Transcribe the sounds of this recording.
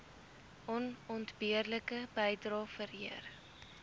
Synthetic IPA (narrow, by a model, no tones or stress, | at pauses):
ʔɔnɔntbiərləkəbəjdrɑːfəɾiər